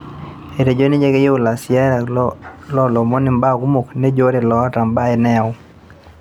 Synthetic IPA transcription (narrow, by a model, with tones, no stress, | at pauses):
e˨ɾe˨d͡ʒo˦ni˦d͡ʒe˦ɡe˦jo˦˨la˨sɪɛ˦ɾlɔ˦lɔ˨mɔ˦nɪ˨mba˦˨ku˦mo˨kne˦d͡ʒo˦ɾe˨lɔ˨˦a˦ta˨mba˦ɛ˨nɛ˦˨ʊ